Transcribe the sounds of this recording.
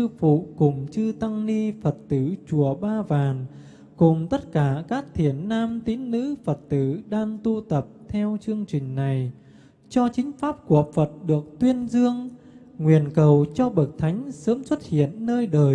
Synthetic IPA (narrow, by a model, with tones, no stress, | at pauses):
sɨ˧fṵ˧˨kʊ˨˩ŋ͡mt͡ɕɨ˧t̪a˧ŋni˧fə˨˩t̚t̪ɨ˧˩t͡ɕu˧˩əɓaː˧vaː˨˩n | kʊ˨˩ŋ͡mt̪ə˦˥t̚kaː˧˩kaː˦˥k̚t̪ʰi˧˩ənːaː˧mt̪i˨˦nnɨ̰˧˥fə˨˩t̚t̪ɨ˧˩ɗaː˧ŋt̪u˧t̪ə˨˩p̚t̪ʰɛ˧wt͡ɕɨ˧əŋt͡ɕï˨˩ŋ̟na˨˩j | t͡ɕɔ˧t͡ɕï˨˦ŋ̟faː˦˥p̚ku˨˩əfə˨˩t̚ɗɨ˨˩ək̚t̪wi˧ənzɨ˧əŋ | ŋwi˨˩ənkə˨˩wt͡ɕɔ˧ɓə˨˩k̚t̪ʰa˨˦jŋ̟səː˨˦mswə˦˥t̚hḭ˧˨ənːəː˧jɗəː˨˩j